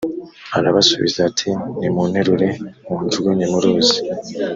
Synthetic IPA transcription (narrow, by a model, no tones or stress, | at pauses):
aɾaβasuβḭzatʰinimunheɾuɾe̞muntuɡuɲemuɾoːzi̥